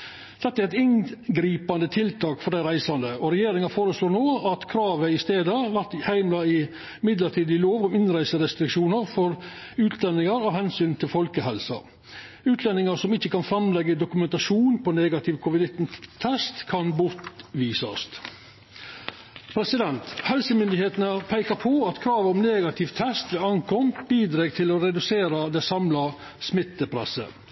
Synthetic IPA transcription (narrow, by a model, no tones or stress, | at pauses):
d̪̥ɛt̪ːəɾɪt̪ɪnɡɾiːpɑnd̪ət̪ʰɪlt̪ʰɑːkfɔɾɖ̪æɪɾæɪsɑnd̪əɔɾɛjeːɾɪŋɑfoːɾəsloːnoːɑt̪kʰɾɑːʋəɪst̪eːd̪əʋæɾt̪hæɪmlɑɪ | mɪd̪ləɾʈ̪ʰiːd̪ɪloːʋɔmɪnɾæɪsəɾɛst̪ɾɪkʂuːnəɾfɔɾ | ʉːt̪ʰlɛnːɪŋɑɾɔhɛnsyːnt̪ʰɪlfɔlkəhɛlsɑ̰ | ʉːt̪ʰlɛnɪŋɑsɔmɪçːəkɑnfɾɑmlɛɡəd̪ʊkʉmɛnt̪ɑʂuːnpʰɔneːɡɑt̪ʰɪʋkʰɔʋɪd̪ɪt̪nt̪ʰːɛst̪kʰɑnbʊɾt̪ʋiːsɑ̰st̪ | pʰɾɛsɪd̪ɛnt̪hɛlsəmʏnd̪ɪheːt̪ənəpʰæɪkɑpʰɔɑt̪kʰɾɑːʋəɔmneːɡɑt̪ʰɪʋt̪ʰɛst̪d̪ɛɑŋkʰɔmbiːd̪ɾeːɡ̚t̪ʰɪlɔɾɛd̪ʉseːɾɑd̪ɛsɑmlɑ | smɪt̪ːəpʰɾɛ̰sːə̰